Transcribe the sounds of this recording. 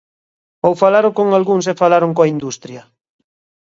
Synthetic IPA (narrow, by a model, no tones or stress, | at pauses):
owfalaɾokoŋalɣuŋsefalaɾoŋkoaind̪ust̪ɾjɐ